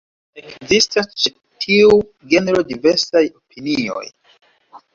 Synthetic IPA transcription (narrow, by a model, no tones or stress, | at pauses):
ekzistast͡ʃe | tʰiu | ɡe̞neɾo̞dive̞ɾsajo̞pʰinio̞̰j